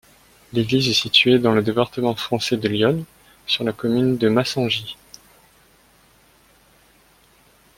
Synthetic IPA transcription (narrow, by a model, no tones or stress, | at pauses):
leɡlizɛsit̪ɥed̪ɑ̃ləd̪epaʁt̪əmɑ̃fχɑ̃sɛd̪əljɔn | syʁlakɔmynd̪əmasɑ̃ʒi